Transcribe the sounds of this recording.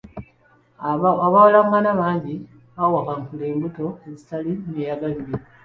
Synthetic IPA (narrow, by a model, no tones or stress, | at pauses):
aβawalaŋɡanaβaːɲɟi | βawakaŋkule̞ːmbuto̞ezitalinejaɡaliɾe